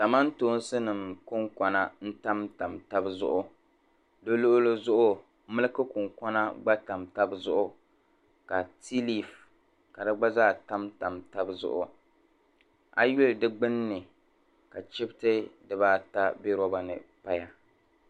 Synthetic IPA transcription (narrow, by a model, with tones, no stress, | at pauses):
da˨ma˦ntoː˦n˦sɨ˦nɨ˨mkʊ˦ŋka˨na˨n̩˦ta˦mta˨mta˦bzʊ̰˦ʔʊ˦ | dɨ˦lo˦ʔʊ˦lɨ˦zʊ˦ʔʊ˦ | mɨ˦lɨ˦kɨ˦kʊ˨ŋkɔ˦na˦ɡ͡ba˦ta˨mta˦bzʊ̰˦ʔʊ˦ | ka˨ti˦li˨f | ka˨dɨ˦ɡ͡ba˦zaː˦˨ta˦mta˨mta˦bzʊ̰˦ʔʊ˦ | a̰˦jʊ˦ldɨ˦ɡ͡bɨ˦nːɨ˨ | ka˨t͡ʃɪ˦btɨ˦dɨ˦baː˦ta˦be˦ɾɔ˦ba˨nɨ̰˨pa˦ja˦